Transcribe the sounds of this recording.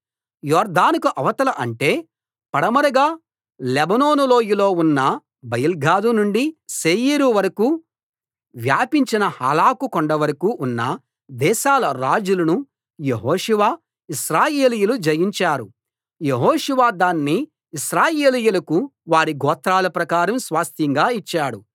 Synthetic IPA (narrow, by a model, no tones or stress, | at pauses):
jɔːɾd̪aːnikuʔɐʋɐt̪ɐlɐʔɐɳʈe̞ː | pɐɽɐmɐɾɐɡaː | lebɐno̞ːnulo̞ːjilo̞ːunːɐ | bɐjɐlɡʱaːd̪unuɳɖiseːjiːɾuʋɐɾɐku | ʋjaːpiɲt͡ʃinɐha̰ːlaːkukɔɳɖɐʋɐɾɐkuʔːnːɐ | d̪ɛːʃaːlɐɾaːd͡ʒulɐnu | jeɦoːʃuʋaː | iʃɾaːje̞ːlijulud͡ʒɐjiɲt͡ʃaːɾu | jeɦoːʃuʋaːd̪aːnːiː | ʃɾaːje̞ːlɐjulɐkuʋaːɾiɡɔːt̪ɾaːlɐpɾɐkaːɾɐmsʋaːst̪jɐŋɡaːit͡ʃːaːɽṵ